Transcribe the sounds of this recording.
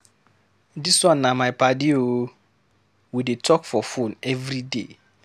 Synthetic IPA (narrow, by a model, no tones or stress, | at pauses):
diswɔ̃nːamajpadio | widetʰɔkfɔfõnɛvɾidḛ